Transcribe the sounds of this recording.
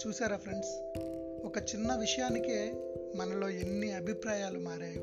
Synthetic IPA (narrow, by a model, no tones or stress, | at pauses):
t͡ʃuːsaːɾɐpʰɾeɳɖs | ɔkɐt͡ʃinːɐʋiʂɐjaːnike | mɐnɐlo̞ːe̞nːiɐbʱipɾaːjaːlumaːɾaːju